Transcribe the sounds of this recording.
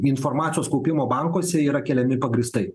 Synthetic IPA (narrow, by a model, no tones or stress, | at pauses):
ɪnfoːɾmɑːt̪ʲɪjoːskɔʊpʲɪmoːbɑˑŋkoːsʲɛiːɾɐkʲɛlʲɛmʲɪpɐɡɾʲɪst̪ɐɪ